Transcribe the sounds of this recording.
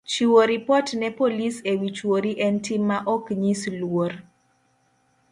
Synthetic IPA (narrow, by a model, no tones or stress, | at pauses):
t͡ʃiwoɾipɔtnɛpolisewit͡ʃwoɾiʔɛntimːaʔɔkɲislwor